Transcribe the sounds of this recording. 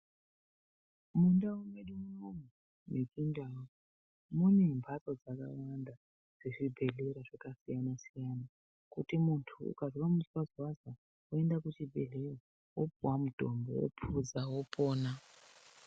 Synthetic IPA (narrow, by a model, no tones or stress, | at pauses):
mundawumedumunomu | mikindawo | munembʱatod͡zaka̰wanda | ʐ̥eʐibʱe̞ɮeɾaʐakasijanasijana | kutimuntʰṵːkaʐoramuswazwaza | ue̞ndakut͡ʃibʱḛɮera | wopuwamudʱo̰mbo̰wo̰pʰuzawopʰoːna